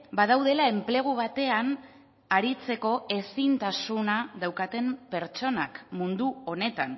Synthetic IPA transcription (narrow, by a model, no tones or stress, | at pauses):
bað̞awðe̞lae̞mple̞ɣ̞uβ̞at̪e̞an | aɾit͡se̞ko̞e̞sint̪asunaðawkat̪e̞mpe̞ɾt͡ʃo̞nakmund̪uo̞ne̞t̪an